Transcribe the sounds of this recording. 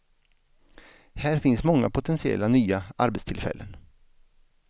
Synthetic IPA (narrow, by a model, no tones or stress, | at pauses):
hæːɾfɪnsmɔŋːapʰʊt̪ʰɛnsɪɛ̰lːanyːaʔaɾbɛt̪st̪ʰɪlfɛ̰lːən